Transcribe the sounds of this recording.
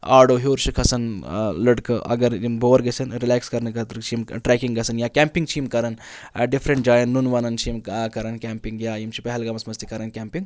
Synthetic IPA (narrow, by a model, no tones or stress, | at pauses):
a̰ːɾɖoːɦoːɾt͡ʃʰikʰɐsɐnlɐɖkɨʔɐ̰ɡɐɾimboːɐɾɡɐsʰɐnɾilaːkskɐɾnkɐt̪ɾt͡ʃʰimʈɾɛːkiŋɡɐsɐnjaːkʲɛːmpiŋɡt͡ʃʰiimkɐɾɐnɖifʰɾeɳʈ̚d͡ʒaːjɐnnunʋɐnɐnt͡ʃʰimkɐɾɐnkʲɛːmpiŋɡjaːjimt͡ʃʰipɛɦɛlɡɐmɐsmɐst̪ikɐɾɐnkʲɛːmpiŋɡ